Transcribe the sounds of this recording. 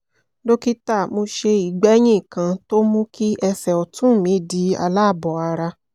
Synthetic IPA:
lo˦ki˦ta˦˨mo˧ʃe˧i˨ɡ͡bɛ˨˦j̃ĩ˦˨kã˧to˦mũ˦kʰi˦ʔɛ˧sɛ˨ɔ˨tũ˦˨mĩ˨˦di˨˦a̰˧la˦˨bɔ˨a˧ɾa˧

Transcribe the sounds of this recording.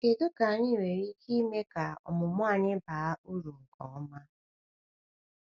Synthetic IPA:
e˨do˦ka˨˦ni˦˨we˨ɾi˦ki˦me˦ka˨ɔ̰˨mʊ˨mʷ˦a˦˨ɲɪ˦ba˨a˦u˦ɾu˨ŋ̩˨kʰɔ˨˦ma˦

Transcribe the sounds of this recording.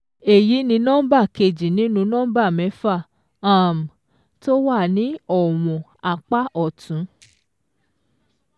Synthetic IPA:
e˨ji˨˦nĩ˧nɔ̃˦ba˦˨ke˧˨d͡ʒi˨nĩ˨˦nũ˧nɔ̃ː˦ba˦˨mɛ̃˨˦fa˦˨ | a˦˨m˨ | to˦wa˦˨nĩ˦ɔ˦˨w̃ɔ̃˨a˧k͡pa˦ʔɔ˦˨tʰũ˨˦

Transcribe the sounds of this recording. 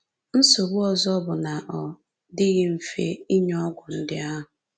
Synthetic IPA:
n̩˦so˨bʊ˦ɔ˨zɔ˦bʊ˨na˨ʔɔ˨ | dɪ˦ɣɪ˦m̩˨fḛ˦i˦ɲɔ˦ɡʷʊ˨n̩˦dɪ˦a˦ɦʊ˨

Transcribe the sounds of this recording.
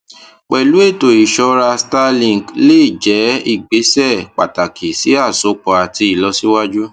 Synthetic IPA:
k͡pɛ˨lu˨˦e˦˨to˨i˨ʃɔ˧ɾa˧sta˧lĩ˨ŋ˨ɡle˦i˨d͡ʒɛ˨˦i˦˨ɡ͡be˨˦sɛ˦˨k͡pa˨ta˨kʰi˨si˨˦a˦˨so˨˦k͡pɔ˧a˨ti˧i˨lɔ˧˦si˦wa˦d͡ʒu˦

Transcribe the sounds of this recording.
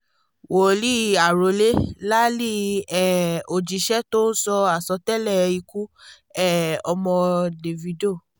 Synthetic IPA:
wo˨˦li˦a˨ɾo˨˦le˦la˦li˦ɛ˦˨o˨d͡ʒi˨˦ʃɛ˦to˦n̩˦sɔ˧a˨sɔ˧˦tɛ˦lɛ˦˨˧i˧ku˦ | ɛ˦˨ɔ˧mɔ̃˧de˨vi˨˧do˦˨

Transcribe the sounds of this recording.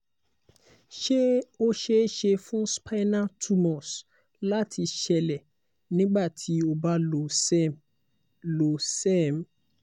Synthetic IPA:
ʃe˦o˦ʃe˦ʃe˧fũ˦spʰa˦nã˦tʰu˦mɔ̃˨s | la˦tʰi˧ʃɛ˧lɛ˨ | nĩ˦ɡ͡ba˦˨tʰi˨˦o˧ba˦lo˨s | lo˨sɛ˦˨m̩˨

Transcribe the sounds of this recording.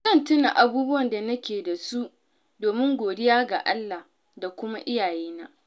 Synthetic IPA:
zɐ˦˨ntʊ˦na˨ʔa˨buː˦bʊ˦wɐ˨nda˨nɐ˦kʲeː˨da˨su˦ | doː˨mɪ˦ŋɡʷoː˨dɪ˦jaː˦ɡa̰˨ʔa˦lːa˨h | da˨kʷʊ˦ma˦ʔɪ˦jaː˨jeː˦na˦ʔ

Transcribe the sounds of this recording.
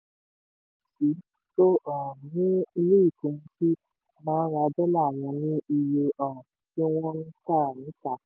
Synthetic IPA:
si˨˦ | to˦ʔɔ˨nĩ˦i˧le˦i˦˨kũ˨˧mũ˧˦ti˦ | mãː˦ɾa˧˨dɛ˦la˦˨w̃ɔ̃˧nĩ˦i˧je˧ʔɔ̃˨ | ti˦w̃ɔ̃˦nĩ˦ta˦˨nĩ˨˦ta˦˨

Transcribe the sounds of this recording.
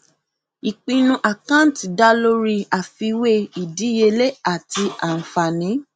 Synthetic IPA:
i˨k͡pĩ˧nũ˧ʔa˨kã˦n˨tda˦lo˦ɾi˧a˨fi˧we˦i˨di˨˦je˧le˦a˦˨ti˧a˨n̩˨fa˨nĩ˨˦

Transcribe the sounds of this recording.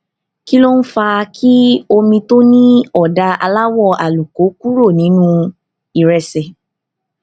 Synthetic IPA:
ki˦lo˦n̩˦fa˧kʰi˦o˧mĩ˧to˦nĩ˦ɔ˦˨da˧a̰˧la˦wɔ˦˨a˨lu˨ko˨˦ku˦ɾo˦˨nĩ˨˦nũ˦ | i˦˨ɾɛ˨sɛ˨

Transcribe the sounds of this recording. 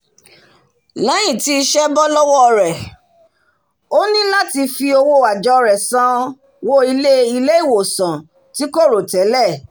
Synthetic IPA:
lã˨˦j̃ĩ˦˨ti˦i˧ʃɛ˦bɔ˦lɔ˦wɔ˦˧ɾɛ˨ | o˦nĩ˦la˦ti˧fi˧o˧wo˧wa˨d͡ʒɔ˧ɾɛ˨sã˨˧ | wo˦i˧le˦i˧le˦i˦˨wo˨sã˨ | ti˨˦ko˦˨ɾo˨tɛ˨˦lɛ˦˨

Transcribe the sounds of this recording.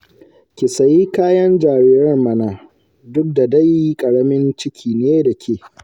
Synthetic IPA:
kʲɪ˨sɐ˨jiː˦kaː˦jɐ˦nd͡ʒaː˨ɾiː˦ɾɐ˦rmɐ˨na˨ | dʊ˦k̚da˨da˦ji˦kʼɐ˨ɽɐ˦mɪ˦nt͡ʃɪ˦kʲʰiː˨neː˦da˨kʲʰeː˨

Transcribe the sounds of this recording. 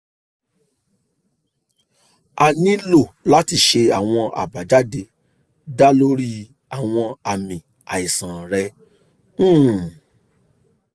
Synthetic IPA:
a˨nĩ˦lo˦˨la˦ti˧ʃe˧a˨w̃ɔ̃˧a̰˨ba˨d͡ʒa˦de˧ | da˦lo˦ɾi˦ | a˨w̃ɔ̃˧a˨mĩ˨ | a˨i˨sã˨ɾɛ̃˧˦˨

